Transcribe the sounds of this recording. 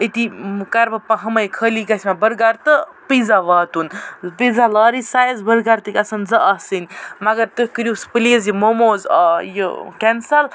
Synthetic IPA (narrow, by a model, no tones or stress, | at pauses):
it̪ikɐɾbɐpɐɦɐmɐjkʰəːlikɐsʲimabəɾɡaɾt̪əpizaʋaːt̪unpizalaːɾisaːjɐzbəɾɡaɾt̪ɨkʲɐsɐnzɐʔɐsɨnʲmɐɡɐɾt̪ɨhʲkɨɾjuspɨliəzjimomoːzɐ̰jə̰kɛnsɐl